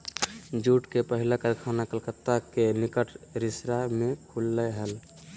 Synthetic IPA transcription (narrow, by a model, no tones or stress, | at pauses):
d͡ʒuːʈkepəɦilakəɾkʰanakəlkət̪ːakenɪkəʈʰɾɪsɾamẽkʰulːəɦəl